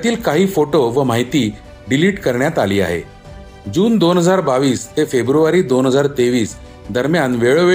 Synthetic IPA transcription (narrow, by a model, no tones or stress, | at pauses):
t̪iːlkaɦiːfoʈoʋəmaɦit̪iː | ɖiliːʈkəɾɳjat̪aliːa̰ɦḛ | d͡ʑuːnd̪onɦəd͡zaɾbaʋiːst̪efebɾuʋaɾiːd̪onɦəd͡zaɾt̪eʋiːs | d̪ʱəɾmjanʋeɭoʋe